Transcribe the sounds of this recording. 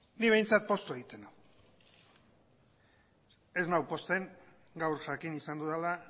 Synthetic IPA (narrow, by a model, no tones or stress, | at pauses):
niβe̞jnt͡sat̪̚po̞st̪oeɣit̪e̞naw | e̞znawpo̞st̪e̞ŋ | ɡawɾʝakinisand̪uðala